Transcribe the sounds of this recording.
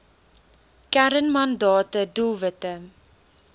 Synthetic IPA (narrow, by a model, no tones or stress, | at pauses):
kæɾənmɐndɑːtədulˠvətə